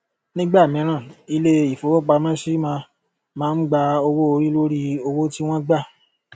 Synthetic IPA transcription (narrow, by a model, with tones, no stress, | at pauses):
nĩ˦ɡ͡ba˦˨mĩ˨˦ɾ̃ã˦˨i˧le˦i˨fo˨wo˦k͡pa˧mã˦ʃi˦mã˧ | mãː˦n̩˦ɡ͡ba˧o˧wo˦o˧ɾi˦lo˦ɾi˦o˧wo˦ti˦w̃ɔ̃˦ɡ͡ba˦˨